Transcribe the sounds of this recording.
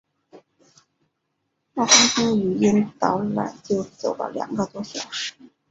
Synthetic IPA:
na˥˩ta˥ŋtu˥ŋy˧˥i˥nt̪ɑ˧˥ʊla̰˨˩ɪt͡ɕjo˥˩ʊt͡so˨˩ʊlə̰˧˩ljɑ̰˨˩ŋɡə˧t̪wɔ˥ɕjɑ˨˩˦ʊʂɻ̩˧˥

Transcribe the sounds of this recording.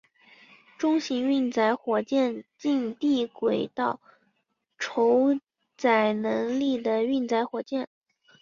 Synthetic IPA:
ʈ͡ʂʊ˥ŋɕi˧˥ŋy˥˩nt͡sa˧˥ɪxwɔ˨˩t͡ɕjɛ˥˧nt͡ɕi˥˧nt̪i˥˩kwe˨˩ɪt̪ɑ˥˩ʊ | ʈ͡ʂʰo˧˥ʊ | t͡sa˨˩ɪnɤ˧˥ŋli˥˩d̪ə˩y˥˩nt͡sa˧˥ɪxwɔ˨˩t͡ɕjɛ˥˩n

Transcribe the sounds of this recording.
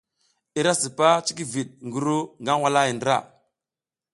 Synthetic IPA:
i˦ɾa˦si˨pa˦t͡ʃi˦ki˦vi˨ɗ̚ŋɡu˦ɾu˦ŋɡa˦nwa˦la˦ji˨ndə˦ɾa̰˦˨

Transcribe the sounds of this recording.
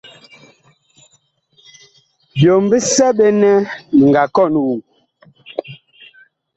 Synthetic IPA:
bjo˨m˦bə˦sɛ˦ɓɛ˦nɛ˦˨ŋɡa˨kɔ˦˨n˨wu˨

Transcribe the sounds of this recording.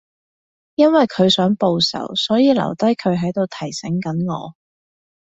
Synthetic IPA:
jɐ˥nwɐ˨jkʰɵ˨˧ɥsœː˨˥ŋpo˨˧wsɐ̰˨˩wsɔː˨˥jiː˨lɐ̰˨˩wt̪ɐ˥jkʰɵ˨˧ɥɦɐ˨˥jt̪o˨wt̪ʰɐ˨˩jsɛ˨˥ŋkɐ˨˥nŋɔ̰ː˨˧

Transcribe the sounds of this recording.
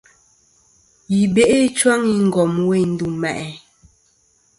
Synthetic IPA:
ji˨be˦˨ʔe˦t͡ʃwa˦ŋi˦ŋ̩˦˨ɡɔ˨mwe˦˨n̩˦du˨mɛ̰˨ʔɛ˨

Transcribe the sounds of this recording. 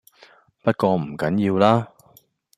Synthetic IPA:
pɐ˥t̚kɔː˧m̩˨˩kɐ˨˥njiː˧wlaː˥

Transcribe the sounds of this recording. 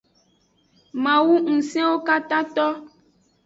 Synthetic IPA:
mã˨wu˦ŋ̩˨sɛ̃˦wo˦ka˦t̪ã˦t̪ɔ˦

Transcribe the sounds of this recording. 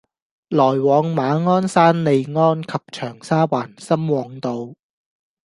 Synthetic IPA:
lɔː˨˩jwɔː˨˧ŋmaː˨˧ŋɔː˥nsaː˥nle˨˧jŋɔː˥nkʰɐ˨p̚t͡ʃʰœː˨˩ŋsaː˥waː˨˩nsɐ˥mwɔː˨˧ŋt̪o˧w

